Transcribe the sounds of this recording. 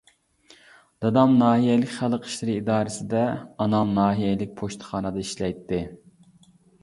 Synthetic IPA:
d̪̥ɑd̪ɑmnɑːɦijɛlɪkʲχælˠəqʰə̥ʃlɨɾɨid̪ɑːɾɪsɪd̪ɛɑnɑmnɑːɦijɛlɪk̚ʲpʰoʃt̪ʰə̥χɑːnɨd̪ɑiʃlɛjt̪ːɪ

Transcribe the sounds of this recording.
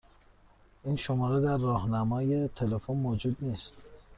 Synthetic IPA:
ʔiːnʃomɒːɾed̪æɾːɒːhnæmɒːje̞t̪ʰe̞lefonmod͡ʒud̪niːst̪

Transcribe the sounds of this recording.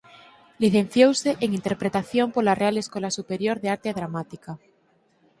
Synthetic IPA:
liθẽ̞n̟θjowseʔeŋint̪eɾpɾet̪aθjo̞mpolarealeskwolasupeɾjoɾðeaɾt̪eaðɾamat̪ika

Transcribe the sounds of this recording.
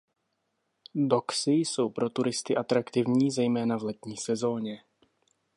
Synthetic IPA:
doksɪjso̞wpɾo̞t̪uɾɪst̪ɪʔat̪ɾakt̪ɪvɲiːzɛjmɛːnavlɛt̪ɲiːsɛzo̞ːɲɛ

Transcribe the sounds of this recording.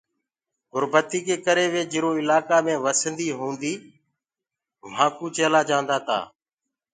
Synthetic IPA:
ɡʊɾbət̪iːkeːkəɾeːʋeːd͡ʒɪɾoːɪlaːkaːmẽːʋəsənd̪iːɦũːnd̪iː | ʋ̤ãːkuːt͡ʃeːlaːd͡ʒãːnd̪aːt̪ʰa̰ː

